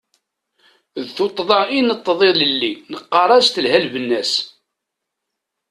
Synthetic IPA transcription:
ðθot̪ˤːðˤɑinət̪ˤːðˤeləlːinəqːɑɾˤɑst̪əlhælvənːæs

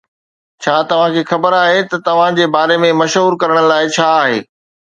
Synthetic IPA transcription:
t͡ɕʰaːt̪ɐʋ̤ãkʰeːxɐbəɾaːɦet̪ɐt̪ɐʋ̤ãd͡ʑeːbaːɾemẽmɐʃɦuːɾkɐɾəɽ̃laːɪt͡ɕʰaːaːɦḛː

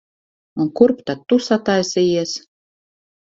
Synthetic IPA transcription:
unkuɾpt̪at̪ːusat̪ajsijɛs

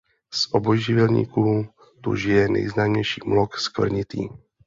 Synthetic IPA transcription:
sʔobojʒɪvɛlɲḭːkuː | t̪ṵʒɪjɛnɛ̰jznaːmɲɛjʃiːmlokskvr̩ɲɪt̪ḭː

